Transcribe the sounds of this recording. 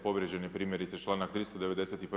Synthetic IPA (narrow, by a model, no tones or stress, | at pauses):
po̞ʋɾjed͡ʑe̞nepɾiːmjeɾit̪set͡ʃlˠaːnakt̪ɾiːst̪od̪eʋe̞d̪eset̪ip